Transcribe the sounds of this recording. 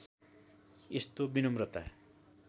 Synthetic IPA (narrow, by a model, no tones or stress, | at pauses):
est̪obinʌmrʌt̪a̰